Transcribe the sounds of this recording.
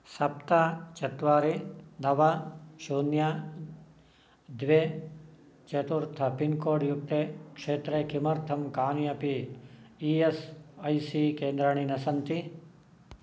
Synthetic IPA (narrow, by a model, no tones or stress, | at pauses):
sɐpt̪at͡ʃɐt̪ʋaːɾinɐʋɐʃuːnja | d̪ʋeː | t͡ʃɐt̪uɾt̪ʰɐpinkoːɽjuk̚t̪ekʂeːt̪ɾekimɐɾt̪ʰɐmkaːniɐpi | iesɐjsikeːnd̪ɾɐɳ̃inɐsɐnt̪i